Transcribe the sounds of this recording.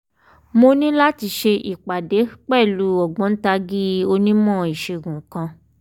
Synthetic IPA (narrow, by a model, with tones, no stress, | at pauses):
mo˧nĩ˦la˦ti˧ʃe˧ʔi˨k͡pa˨de˨˦k͡pɛ˦˨lu˨˦ɔ˨ɡ͡bɔ̃˨˦n̩˦ta˧˦ɡi˦o˧nĩ˦mɔ̃˦i˨ʃe˧˨ɡũ˨˦kã˧